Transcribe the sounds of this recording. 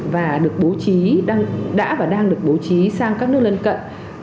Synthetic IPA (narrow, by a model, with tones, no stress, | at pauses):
vaː˨˩ɗɨ˨˩ək̚ɓo˨˦t͡ɕiː˨˦˧ŋɗa̰ː˧˥vaː˨˩ɗaː˧ŋɗɨ˨˩ək̚ɓo˨˦t͡ɕi˨˦saː˧ŋkaː˦˥k̚nɨ˦˥ək̚lə˧nkə̰˧˨jn